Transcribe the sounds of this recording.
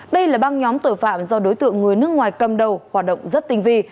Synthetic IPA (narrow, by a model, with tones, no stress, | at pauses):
ɗə˧jlaː˨˩ɓaː˧ŋɲɔ˨˦mt̪o˧˩jfa̰ː˧˨mzɔ˧ɗo˨˦jt̪ɨ̰˧˨əŋːɨ˨˩əjnɨ˦˥ək̚ŋwaː˨˩jkə˨˩mɗə˨˩whaː˨˩t̚ɗə̰˧˨ŋ͡mzə˦˥t̚t̪ï˧ŋ̟vi˧